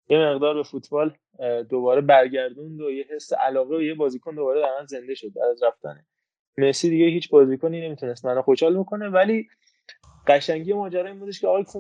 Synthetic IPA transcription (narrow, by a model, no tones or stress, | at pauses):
jeme̞ɣd̪ɒːɾbe̞fut̪ʰbɒːl | d̪oβɒːɾe̞bæɾɟæɾd̪und̪ojeɦesːeʔælɒːɣeejebɒːziːkʰond̪o̞bɒːɾed̪æɾmænze̞nd̪e̞ʃo̞d̪̚bæ̰ɾd̪æzɾæft̪æ̰ne | me̞siːd̪iːɟehiːt͡ʃʰbɒːzikʰonine̞mit̪ʰunest̪mænoxoʃhɒːlbo̞kʰo̞ne̞væliː | ɢæʃæŋɟijemɒːd͡ʒæɾɒːjimbud̪eʃcʰeɒːɣɒːjʰu